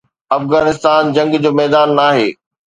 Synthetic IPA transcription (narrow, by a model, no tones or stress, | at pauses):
ɐfɣaːnɪst̪aːnd͡ʑɐ̃ŋɡd͡ʑoːmɛːd̪aːnːaːɦeː